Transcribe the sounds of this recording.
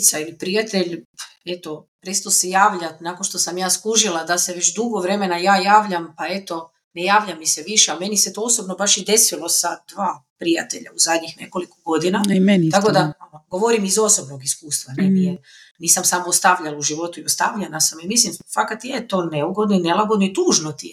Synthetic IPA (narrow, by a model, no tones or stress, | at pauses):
t̪sailipɾijat̪e̞ʎ | e̞t̪o̞pɾest̪osijaːʋʎat̪naːkonʃt̪o̞samjaːskuʒilˠad̪ase̞ʋet͡ʃd̪uɡoʋɾe̞me̞najaːjaːʋʎampae̞t̪o̞ | ne̞jaːʋʎʲamiseʋiʃeame̞niset̪o̞oso̞bnobaʃid̪e̞silo̞sad̪̥ʋaːpɾija̰t̪e̞ʎa̰uzad̪ɲixne̞̰ko̞likoɡo̞d̪inament̪akod̪aɡo̞ʋo̞ɾimizo̞so̞bnoɡiskuːst̪ʋanenije | niːsamsamost̪aʋʎaluʒiʋo̞t̪uiost̪aʋʎanasamimislimfakat̪ijet̪o̞ːneuɡod̪noinelˠaɡo̞d̪noit̪uːʒnot̪i